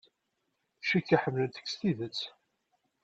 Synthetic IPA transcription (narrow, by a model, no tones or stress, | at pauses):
ʃikːaħəmːlənt̪ə̥kːsθiðət͡sː